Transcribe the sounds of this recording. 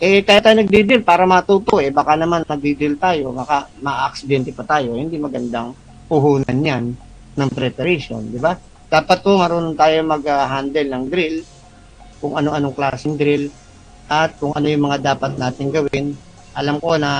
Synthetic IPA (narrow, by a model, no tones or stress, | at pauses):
ʔɛkaːjɪt̪ːajonɐɡ̚d̪id̪ɪlpaːɾɐmɐt̪uːt̪oʔɛbakanɐmanmɐɡ̚d̪id̪ɾɪlt̪aːjo̞bɐkamɐʔʔɐk̚sɪd̪ɛnt̪ɛpɐt̪aːjo̞hɪnd̪imɐɡɐnd̪aŋ | pʊɦuːnɐnjanː | ɐŋpɾɛpɐɾɛʃo̞̰nd̪ɪba | d̪̥aːpɐt̪̚hoŋɐɾoːnʊnt̪aːjoŋmɐɡaɦand̪ɛlnɐŋd̪ɾɪl | kʊŋʔɐno̞ʔɐno̞ŋklaːsɪŋd̪ɾɪl | ʔɐt̪̚kʊŋʔɐ̰no̞jʊŋmɐŋad̪aːpɐt̪̚naːt̪ɪŋɡɐwɪn | ʔɐlamko̞nɐ